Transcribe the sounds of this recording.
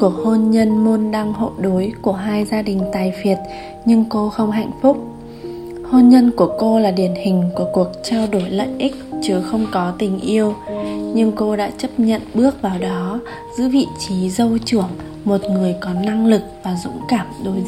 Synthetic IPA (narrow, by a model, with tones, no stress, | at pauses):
ku˧˨˩ək̚ho˧nɲə˧nmo˧nɗaː˧ŋho̰˧˨jɗo˨˦jku˧˩əɦaː˧jzaː˧ɗï˨˩ŋ̟t̪aː˨˩jfi˨˩ət̚ | ɲɨ˧ŋko˧xə˧wŋ͡mɦa̰˧˨jŋ̟fʊ˦˥k͡p̚ | ho˧nɲə˧nku˧˩əko˧laː˨˩ɗi˧˩ənhï˨˩ŋ̟ku˧˩əku˨˩ək̚t͡ɕaː˧wɗo˧˩jlə̰˧˨jʔi˦˥k̚t͡ɕɨ˨˦xə˧wŋ͡mkɔ˨˦t̪ï˨˩ŋ̟ʔi˧əwɲɨ˧ŋko˧ɗa̰ː˧˥t͡ɕə˦˥p̚ɲə̰˧˨nɓɨ˦˥ək̚vaː˨˩wɗɔ˨˦ | z̥ɨ̰˧˥vḭ˧˨t͡ɕi˨˦zə˧wt͡ɕɨ˧˩əŋ | mo˨˩t̚ŋɨ˨˩əjkɔ˨˦na˧ŋlɨ˨˩k̚vaː˨˩zʊ̰˧˥ŋ͡mkaː˧˩mɗo˨˦j